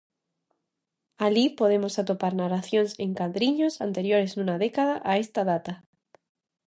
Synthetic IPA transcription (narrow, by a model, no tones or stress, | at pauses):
alipoð̞emosat̪opaɾnaraθjõŋsẽŋkaðɾiɲosant̪eɾjoɾeznũnaðekaðaʔaest̪aðat̪a